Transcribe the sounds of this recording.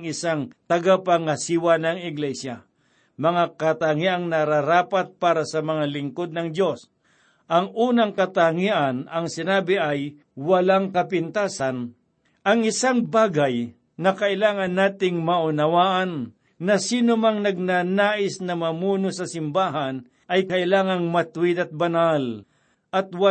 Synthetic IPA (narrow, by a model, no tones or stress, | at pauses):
ŋɪsaŋt̪ɐɡapaŋɐsiːwanɐŋɪɡlɛsja | mɐŋakɐt̪aŋiʔɐŋnɐɾaɾaːpat̪̚paːɾɐsɐmɐŋalɪŋkod̪̚nɐŋd̪jo̞s | ʔɐŋʔuːnɐŋkɐt̪aŋiʔɐnɐŋsɪnaːbɪʔɐj | wɐlaŋkɐpɪnt̪aːsɐn | ʔɐŋɪsaŋbaːɡaj | nɐkɐʔɪlaːŋɐnːaːt̪ɪŋmɐʔʊnɐwaːʔɐnː | ɐsiːnʊmaŋnɐɡ̚nanaːʔɪsnɐmɐmuːnosɐsɪmbaːɦan | ʔɐjkɐʔɪlaːŋɐŋmɐt̪ʊwɪd̪ɐt̪̚bɐnal | ʔɐt̪̚wa